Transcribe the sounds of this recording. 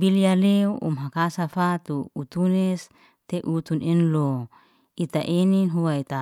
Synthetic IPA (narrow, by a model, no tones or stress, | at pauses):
bilialeuʔṵmɦakasafat̪uut̪unɛs | t̪eʔut̪unʔinlo | it̪aʔeninɦuait̪a